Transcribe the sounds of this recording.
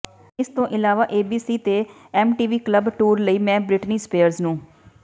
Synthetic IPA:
ɪst̪õːʔɪlaːʋaːʔeːbiːsiːt̪eː | ɛːmʈiːʋiːkləbʈuːɾləiːmɛ̃ːbɾɪʈniːspeːəɾznũː

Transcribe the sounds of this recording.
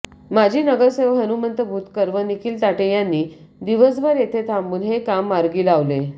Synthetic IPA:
mad͡ʑʱiːnəɡəɾseʋɦənumənt̪əbʱuːt̪kəɾʋənikʰiːlt̪aʈejanːiː | d̪iʋəsʋəɾjet̪ʰet̪ʰambuːnɦekamːaɾɡiːlaʋle

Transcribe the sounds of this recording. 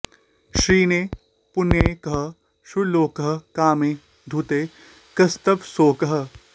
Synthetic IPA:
ʃɾiːne | pʊnjɐkɐɦɐ | ʃuloːkɐɦɐkaːmẽː | d̪ʱut̪eː | kɐst̪ɐpsoːkɐɦɐ̆

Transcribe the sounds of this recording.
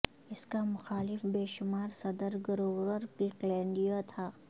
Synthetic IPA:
ɪskamʊxaːlɪfbeːʃʊmaːɾsɐd̪əɾɡʊɾoːwɾəɾklɪklɛ̃ːɳɖijot̪ʰaː

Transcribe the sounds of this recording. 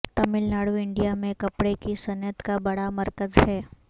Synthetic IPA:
t̪əmɪlnaɽuɪɳɖijamẽkəpɽekisənjət̪kabəɽaməɾkəzɦɛː

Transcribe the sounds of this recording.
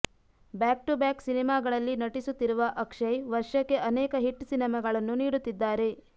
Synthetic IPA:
baːk̚ʈubaːksinimaːɡɐɭɐlːinɐʈisut̪ːiɾuʋɐʔɐkʂɐjʋɐɾʂɐkːe̞ʔɐnɛːkɐɦiʈːsinɐmɐɡɐɭɐnːuniːɽut̪ːid̪ːaːɾe̞

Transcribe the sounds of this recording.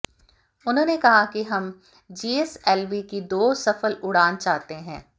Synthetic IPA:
ʊnɦõːnekɐɦakiɦɐm | d͡ʒiːeːsɛːlʋikid̪oːsɐfəlʊɽaːnt͡ʃaːɦt̪eɦɛ̃ː

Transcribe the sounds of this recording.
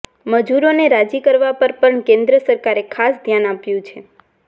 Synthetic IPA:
məd͡ʒuɾoneɾad͡ʒikəɾʋapəɾpəɳkẽnd̪ɾəsəɾkaɾekʰasd̪ʱjanapjũt͡ʃʰe

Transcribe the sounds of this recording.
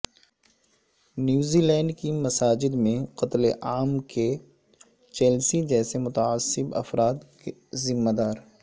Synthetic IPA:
njuːziːlɛ̃ːɳɖkimɐsaːd͡ʒɪd̪mẽqɐt̪leʔaːmkʰe | t͡ʃɛːlsid͡ʒɛːsemʊt̪aaːsːɪbɐ̰fɾaːt̪kezɪmːad̪aːɾ

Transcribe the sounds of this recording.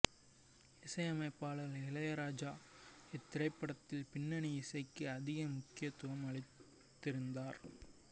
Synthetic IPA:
ɪsɐjɐmɐɪpːaːɭɣɐɭɪlɐjɐɾaːd͡ʒaːɛt̪ːɪɾɐɪpːɐɽɐt̪ːɪlpɪnːɐniɪsɐɪkːɯɐðɪɣɐmʊkːɪjɐt̪ːʊʋɐmɐɭɪt̪ː | ɪɾɯnd̪aːɾ

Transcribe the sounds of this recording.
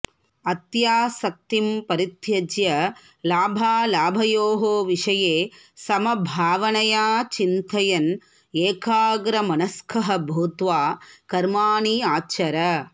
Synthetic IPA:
ɐt̪jaːsɐk̚t̪impɐɾit̪jɐd͡ʒjɐ | laːbʱaːlaːbʱɐjoːɦoːʋiʂɐjeː | sɐmɐbʱaːʋɐnɐjaːt͡ʃint̪ɐjɐn | eːkʰaːɡɾɐmɐnɐskʰɐɦɐ̆bʱuːt̪ʋaːkɐɾmaːɳiaːt͡ʃɐɾɐ

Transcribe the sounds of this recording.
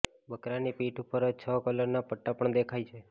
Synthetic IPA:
bəkɾanipiʈupəɾəd͡ʒt͡ʃʰəkələɾnapəʈːapəɳd̪ekʰajt͡ʃʰe

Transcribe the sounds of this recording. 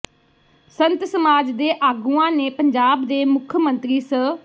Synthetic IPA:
sənt̪səmaːd͡ʒd̪eːʔaːɡuːãːneːpəɲd͡ʒaːbd̪eːmʊkʰmə̃nt̪ɾiːsə

